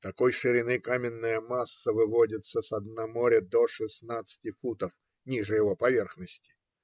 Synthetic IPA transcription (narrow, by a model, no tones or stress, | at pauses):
t̪ɐkojʂɨɾʲɪnɨkamʲɪnːəjəmasːəvɨvodʲɪt̪səsɐd̪nɐmoɾʲəd̪oʂɨsnat̪sɨ̥tʲɪfut̪əf | nʲiʐɨjɪvo̞pɐvʲerxnəsʲtʲɪ̥